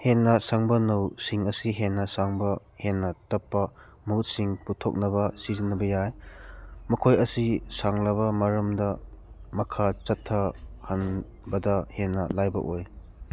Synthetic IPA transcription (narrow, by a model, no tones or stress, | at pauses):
henːɐsaŋbɐnɐwsiŋɐsiɦenːɐsaŋbɐ | henːɐtɐpːɐ | muut̚siŋputʰo̰k̚nɐbɐsizinːɐbɐjaj | mɐkʰojɐsisaŋlɐβɐmɐɾɐmdɐmɐkʰat͡ʃɐtʰːɐhɐn | bɐdɐhenːɐlajbɐ̰ʔoj